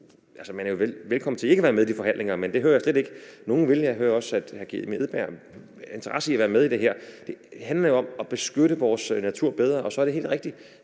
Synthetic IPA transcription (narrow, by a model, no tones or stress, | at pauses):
ælsəmænæɐjo̝ʋelʋelkʰɒ̽m̰n̩t͡sʰe̝e̝ɡəʋæːɐmeðˠid̥ifɒ̽ɦæn̰le̝ŋɐmend̥e̝høːɐjäsled̥eɡ̥əno̝ːn̩ʋe̝ljɑɪɦøːɐɒ̽sæd̥hæɡ̥imie̝ð̩ˠb̥æɐ̰ | e̝nt͡sʰɐʁɑ̈səiæʋæːɐmeðˠid̥e̝ɦeɐ̰d̥e̝ɦænlɐjo̝ɒ̽mɒ̽b̥e̝sɡ̥øɾəʋɒːsnæt͡sʰuɐ̰b̥eð̞ˠʁɐʔɒ̽sɒ̽æɐɾe̝ɦe̝̰ːld̥ʁeɡ̥̚d̥i